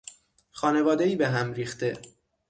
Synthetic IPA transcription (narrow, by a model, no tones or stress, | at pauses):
xɒːne̞vɒːd̪e̞iːbeɦæmɾiːxt̪e̞